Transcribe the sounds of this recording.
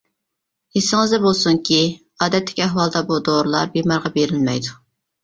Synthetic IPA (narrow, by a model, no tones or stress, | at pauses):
esɪŋɨzd̪ɛbolˠsuŋkʲʰi | ɑːd̪ɛt̪ʰːɪ̥kʲɛɦwɑlˠd̪ɑbud̪oɾlˠɑ̰ɾbemɑɾʁɑbeɾɪlmɛjd̪u